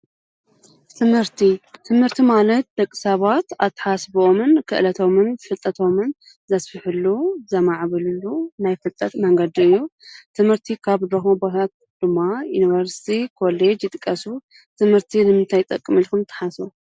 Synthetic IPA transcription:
t̪ʰɨmhɨɾt̪ʰit̪ʰɨmhɨɾt̪ʰimalɐt̪̚d̪ɐkʼːɨ̥sɐβat̪at̪ʰːɨ̥ħasbomɨnkʰɨ̰ʔlɐt̪ʰo̞mɨnfɨt̪ʼːɐt̪ʰo̞mɨn | zɐsfɨħɨlːuzɐmaʕβɨlɨlːunajfɨt̪ʼːɐt̪mɐŋɡɐd̪iɨjːut̪ʰɨmhɨɾt̪ʰikʰaβd̪ɾɐxobɐh̪ʰat̪̚ | d̪̥ɨmːajunivɐɾsi̥t̪ʰikʰo̞led͡ʒjɪt̪ʼɨ̥kʼːɐsu | t̪ʰɨmhɨɾt̪ʰinɨmɨnt̪ʰajt̪ʼɐkʼːɨmilkumt̪ʰɐ̥ħasu

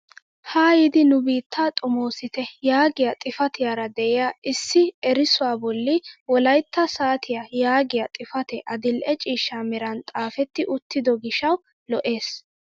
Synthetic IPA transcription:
haːjɪd̪ɪnʊbiːt̪ːaːt̪ʼɔmo̞ːsɪt̪ɛjaːɡɪjat̪ʼɪfɐt̪ɪjaːɾɐd̪ɛʔɪjaɪsːɪɛɾɪsʊwaːbɔlːɪwɔlɐjt̪ːɐsaːt̪ʰɪjajaːɡɪjat̪ʼɪfɐt̪ɛʔɐd̪ɪlʔɛt͡ʃʼiːʃːamɛɾɐnt̪ʼaːfɛt̪ːɪʔʊt̪ːɪd̪ɔɡɪʃɐw | lɔʔe̞ːs

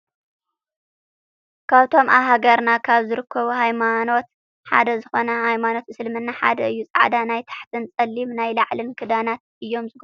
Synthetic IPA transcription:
kʰaβt̪ʰo̞mʔa̰ɦaɡɐɾnakʰaβzɨɾɨkʰːɐβuhajmano̞t̪ | ħa̰d̪ɐzɨxo̞nɐhajmano̞t̪ɨsɨlmɨnːaħa̰d̪ɐɨjːut͡sʼaʕd̪anajt̪ʰḁħt̪ʰɨnt͡sʼɐlːimnajlaʕlɨnkʰɨd̪anat̪ | ɨjːo̞mzɨɡ

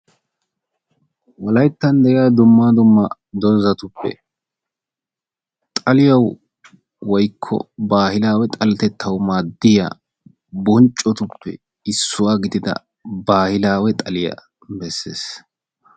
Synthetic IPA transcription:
wɔlɐjt̪ːɐnd̪ɛʔɪaːd̪ʊmːaːd̪ʊmːɐ | d̪ɔzɐt̪ʊpːɛ̰ | t̪ʼɐlɪjɐw | wɔjkʰːɔ̰baːhɪlaːwɛt̪ʼɐlɛt̪ɛt̪ːɐwmaːd̪ːɪja̰ː | bɔnt͡ʃʼːɔt̪ʊpːɛ̰ | ɪsːʊwaːɡɪd̪ɪd̪ɐ̰ | baːhɪlaːwɛt̪ʼɐlɪjɐ̰ | bɛsːḛːs

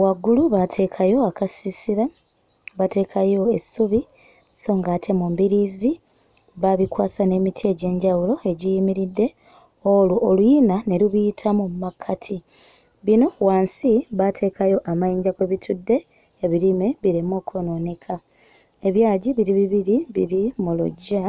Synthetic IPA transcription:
waɡːuluβatʰe̞kʰajo̞akasisiɾa | βate̞ːkʰajo̞e̞suβi | so̞ːŋɡaːtʰe̞mumbiɾiːzi | βaβikwaːsane̞ːmitʰie̞ɟe̞ːɲɟawulo̞e̞ɟijimiɾidːe̞ | oluʔolwjinane̞luβiitʰamumakʰatʰi | βino̞waːnsiβatʰe̞ːkʰajo̞ʔamajiːɲɟakweβitʰudːe̞ː | βiɾime̞βiɾimoːkʰononekʰa | e̞βjaːɟiβiɾiβiβiɾiβiɾimulṵɟːa

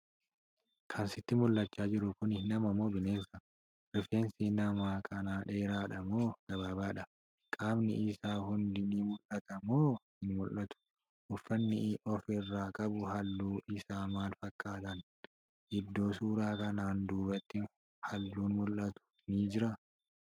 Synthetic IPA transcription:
kʰɐnsɪt̪ːɪmʊlːɐt͡ʃːaːd͡ʒɪɾʊkʊnɪnɐmɐmːo̞ːbɪne̞ːsɐ | ɾɪfeːnsiːnɐmaːkʼʰɐnaːᶑe̞ːɾaːᶑɐmoːɡ̥ɐβaːbaːᶑɐ | kʼaːbnɪɪsaːhʊnd̪ɪniːmʊlʔɐt̪ɐmoː | ɪnmʊlːɐt̪ʊ̥ | ʔʊfːɐnːɪʔɔfɪrːaːkʼɐbʊhɐlːuːʔɪsaːmaːlfɐkʼːaːt̪ɐn | ʔɪd̪ːo̞ːsuːɾaːkɐnaːnd̪uːbɐt̪ːɪ | hɐlːuːnmʊlːɐt̪ʊ̥ | niːd͡ʒɪɾɐ

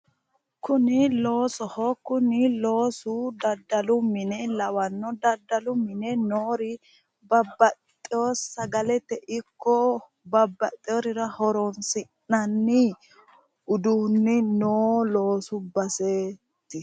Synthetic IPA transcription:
kʊnɪlo̞ːsɔhɔkʊnɪlo̞ːsʊd̪ɐd̪ːɐlʊmɪnɛlɐwɐnːɔd̪ɐd̪ːɐlʊmɪnɛnoːɾɪ | bɐbːɐt̪ʼːɪjoːsːɐɡɐlɛt̪ːɛʔɪkːɔ | bɐbːɐt̪ʼːɪɔɾɪɾɐhɔɾɔnsɪnːɐnːɪ | ʊd̪uːnːɪnoːlo̞ːsʊbɐseː | t̪ːɪ

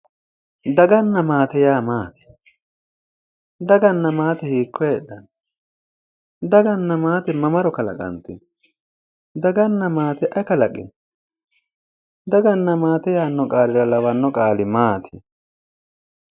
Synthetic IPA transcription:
d̪ɐɡɐnːɐmaːt̪ɛjaːmaːt̪ɪ̥ | d̪ɐɡɐnːɐmaːt̪ɛhiːkːɔjɛɗːɐn | d̪ɐɡɐnːɐmaːt̪ɛmɐmɐɾɔkɐlɐ̰kʼɐ̰nt̪ɪn | d̪ɐɡɐnːɐmaːt̪ɛʔɐkɐlɐkʼɪ̰n | d̪ɐɡɐnːɐmaːt̪ɛjaːnːɔkʼaːlɪɾɐlɐwɐnːɔkʼaːlɪmaːt̪ʰɪ

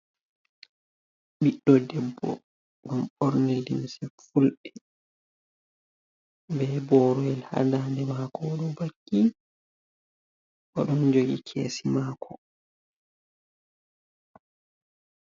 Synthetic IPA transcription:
ɓiɗːɔdɛbːɔ̰ | ɡamɓɔɾnedinsɛfulɗɛ | bɛbɔːɾɔɛlha̰dandɛmakɔɗɔbakːi | ʔɔɗɔnd͡ʒoɡikʰeːsimaːkʰɔ

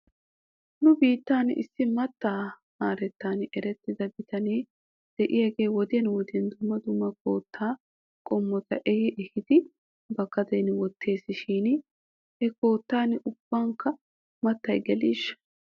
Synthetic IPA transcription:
nʊbiːt̪ːaːnɪ̰sːɪmɐt̪ːaː | maːɾɛt̪ːaːnʔɛɾɛt̪ːɪd̪ɐbɪt̪ɐneː | d̪̥ɛʔɪjɐɡe̞ːwɔd̪ɪjɐnwɔd̪ɪjɛnd̪ʊmːɐd̪ʊmːɐko̞ːt̪ʰːaː | kʼɔmːɔt̪ɐ̰ʔɛhɪʔɛhɪd̪ɪ | bɐkːɐd̪ɐjnwɔt̪ʰːe̞ːsːɪʃiːn | ɛko̞ːt̪ːaːnʔʊb̥ːaːŋkɐ | mɐt̪ːɐjɡɛliːʃ

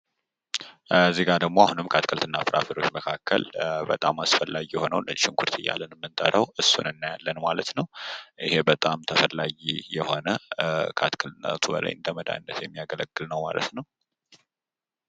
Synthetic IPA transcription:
zːihɡad̪əɡmo̞ahunɨmkʰat̪kʰəlt̪ʰɨnːafɨɾafiɾo̞t͡ʃːməkʰakʰːə̰lbət̪ʼamasfəlːaɡijɛho̞nə̰wnəʃɪŋkʰuɾt̪ʰɨjːa̰lːənmːɨnt̪ʼəɾəwɨsːṵnɨnːajalːənmalət̪nəwʔihe̞bət̪ʼamt̪ʰəfəlːaɡijɛho̞nəkʰat̪kʰəlt̪na̰t̪ʰubə̰la̰jʔɨ̰nt̪ʰəməd̪a̰jnːət̪jɛmːijaɡələɡːɨlnəwma̰lə̰t̪nəw

